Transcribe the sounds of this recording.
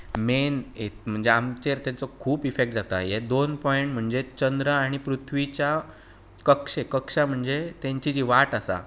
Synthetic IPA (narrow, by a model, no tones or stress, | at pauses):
menet̪m̤əɳd͡zeamt͡ɕeɾt̪jãt͡sɔkʰuːpifek̚ʈ̚d͡zat̪a̰jed̪onpɔeɳʈm̤əɳd͡zet͡ɕənd̪ɾəːɽ̃ipɾut̪ʰʋit͡ɕja | kəkʂekəkʂam̤əɳd͡zet̪ãɲt͡ɕid͡ʑiːʋaʈasa̰